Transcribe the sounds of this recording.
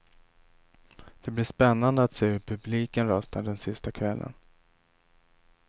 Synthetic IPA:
d̪̥ɛblɪʂpɛnːand̪əat̪seːɵɾpʰɵbliːkənɾœst̪aɖɛnsɪst̪akʰvɛlːʔə̰n

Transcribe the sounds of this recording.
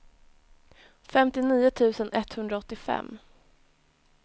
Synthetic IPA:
fɛmt̪ɪniːʊt̪ʰʉ̟ːsənʔɛt̪hɵnd̪ɾaɔt̪ːɪfɛ̰mː

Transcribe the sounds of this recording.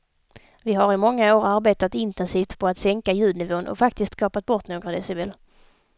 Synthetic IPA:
vɪɦaɾɪmɔŋːaoːɾaɾbeːt̪at̪ɪnt̪ɛnsiːft̪pʰɔat̪sɛŋkajʉ̟ːd̪nɪvoːnʔɔ̰fak̚t̪ɪskt̪skɑːpat̪̚bɔʈ̪noːɡɾad̪ɛsɪbɛl

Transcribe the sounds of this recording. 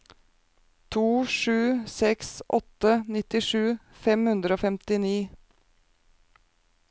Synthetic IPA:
t̪ʰuːʂʉːsɛksʔɔt̪ənɪt̪ɪʂʉːfɛmhʉnd̪ɾəoːfɛmt̪ɪniː

